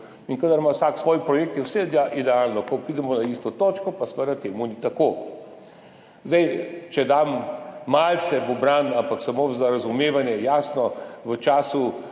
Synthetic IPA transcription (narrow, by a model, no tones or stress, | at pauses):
inkad̪aɾmawsaːksʋɔːjipɾɔjeːk̚t̪iwsɛd̪ʔid̪ɛalnɔkɔpɾiːd̪ɛmɔnaiːst̪ɔt̪oːt͡ʃkɔpasʋəd̪at̪eːmunit̪akoː | zd̪ɛjt͡ʃɛd̪amːaːlt̪sɛʋɔbɾand̪ampaksamoːzaɾazumeːʋanjɛjaːsnɔʋət͡ʃaːsu